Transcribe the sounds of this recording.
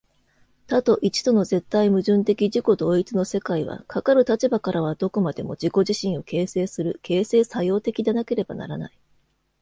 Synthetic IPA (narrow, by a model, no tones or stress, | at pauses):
t̪at̪o̞ʔit͡ɕi̥t̪o̞no̞ze̞t̪ːaimɯ̟ʑɨ̃nt̪e̞kʲiʑiko̞d̪o̞ːit͡sɨno̞se̞kaiβa̰kʰakaɾɯ̟t̪at͡ɕibakaɾʔaβ̞ad̪̥o̞ko̞mad̪e̞mo̞̰d͡ʑiko̞ʑiɕĩɰ̃o̞ke̞ːse̞ːsɨɾɯ̟kʰe̞ːse̞ːsajo̞ːt̪e̞kʲid̪enake̞ɾe̞ba̰na̰ɾa̰na̰i